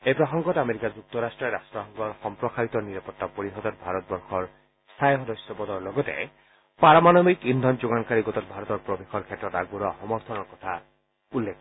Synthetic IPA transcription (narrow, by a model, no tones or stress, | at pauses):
epɾɔxɔŋɡɔtameɾikad͡ʒuk̚t̪ɔɾasʈɾɔeɾasʈɾɔɦɔŋɡɔɾxɔmpɾɔkʰaɾit̪ɔniɾapɔt̪ːapoɾiɦɔd̪ɔɾbʱaɾɔt̪̚bɔɾxɔɾ | st̪ʰajɦɔd̪ɔsjɔbɔd̪ɔɾlɔɡɔt̪ḛ | paɾɔmanɔmikind̪ʱɔnd͡ʒuɡankaɾiɡɔt̪ɔɾbʱaɾɔt̪ɔɾpɾɔbexʰɔɾkʰetɾɔtaɡuɾɔhɔmɔɾt̪ʰɔnɔkɔt̪ʰa | ulːekʰ